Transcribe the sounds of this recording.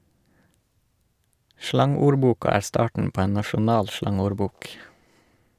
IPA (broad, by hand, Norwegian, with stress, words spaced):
ˈʃlɑŋuːɾˌbuːkɑ ˈæːɾ ˈstɑːʈn̩ ˈpoː ˈeːn nɑʃʊˈnɑːl ˈʃlɑŋuːɾˌbuːk